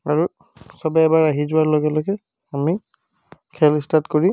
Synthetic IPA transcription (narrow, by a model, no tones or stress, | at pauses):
aɹu | sɔbɛːbaɹaɦizʊaɹlɔɡɛlɔjɡɛ | ami | kʰɛlistatkoɹi